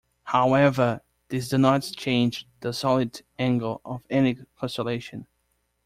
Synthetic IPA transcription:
haʊɛvə˞ | ðɪs̬d̥ɨnətt͡ʃʰẽɪ̃nd͡ʒðəsɑlˠɨdæ̃ŋɡəl̩ˠʌvɛnikʰɔ̃səleɪʃɨ̃n

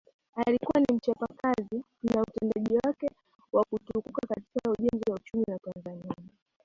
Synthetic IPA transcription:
alikuwanim̩t͡ʃapakazi | nautɛndaʄiwakɛ | wakutukukakatikauʄɛnziwaut͡ʃumiwatanzania

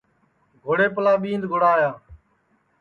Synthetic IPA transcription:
ɡʱoːɽeːpəlaːɓiːnd̪ɡʱoːɽaːjaː

